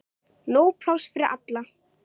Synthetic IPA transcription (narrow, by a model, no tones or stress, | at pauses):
noːwpʰl̥awsfɪɾɪɾʔa̰t̪la